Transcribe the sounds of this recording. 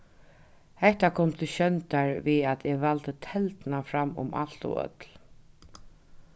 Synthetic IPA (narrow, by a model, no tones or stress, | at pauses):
hɛht̪akʰɔmt̪ʰɪɕœnt̪aɹʋiðat̪ʰɛʋalt̪ət̪ʰɛlt̪nafɾamːʊ̰ma̰l̥t̪ɔ̰œ̰t̪l